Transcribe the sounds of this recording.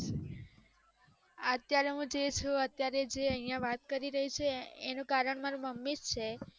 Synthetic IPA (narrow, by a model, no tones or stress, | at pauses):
ət̪jaɾeɦũd͡ʒet͡ʃʰuət̪jaɾed͡ʒeəɦĩjãʋat̪kəɾiɾəɦit͡ʃʰeːnũkaɾəɳmaɾũməmːist͡ʃʰe